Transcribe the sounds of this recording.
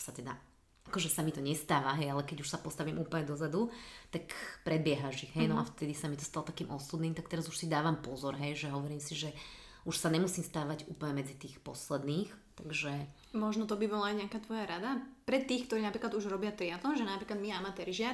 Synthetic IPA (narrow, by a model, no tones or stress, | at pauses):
sat̪ɛd̪a̰ | akɔʒɛsamit̪ɔɲɛst̪aːʋaɦɛjalɛkɛɟuʃsapɔst̪aʋimʔuːpl̩ɲɛd̪ɔzad̪ut̪akpɾɛd̪̚bɪɛɦaʒiɣɦɛjnɔaft̪ɛd̪isamit̪ɔ̥st̪alɔt̪ḁkiːmʔɔsud̪niːmt̪ak̚t̪ɛɾazuʃsid̪aːʋampɔzɔɾɦɛjʒɛɦɔʋɔɾiːmsiʒɛ | ʔuʃsaɲɛmusiːmst̪aːʋaɟṵːpl̩ɲɛmɛd͡zit̪iːxpɔslɛd̪niːxt̪aɡʒɛ | mɔʒnɔt̪ɔbibɔlaːjɲɪakaːt̪ʋɔjaɾad̪apɾɛt̪iːxkt̪ɔɾinapɾiːklad̪uʒɾɔbɪat̪ɾiad̪lɔmʒɛnapɾiklad̪miamat̪ɛɾiʒɪa